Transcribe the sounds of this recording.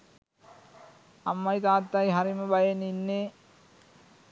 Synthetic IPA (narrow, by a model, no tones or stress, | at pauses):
ɐmːɐjt̪aːt̪ːajɦɐɾimɐbɐjɐninːe